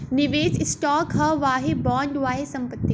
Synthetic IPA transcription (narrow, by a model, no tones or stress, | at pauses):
nɪʋeːssʈɔːkɦɐʋaːɦebãːɳɖʋaːɦesɐ̃mpət̪ːi